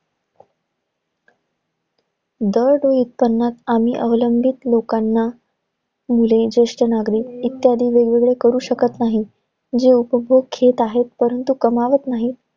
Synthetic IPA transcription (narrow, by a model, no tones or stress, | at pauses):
d̪əɾɖojut̪̚pənːat̪am̤iːʔəʋləmbʱit̪lokanːa | muled͡ʑeʂʈənaɡɾiːit̪jad̪ʱiːʋeɡʋeɡɭekəɾuːɕəkət̪naɦi | d͡ʑeupəbʱoɡkʰːet̪aɦet̪̚pəɾənt̪ukəmaʋət̪naɦi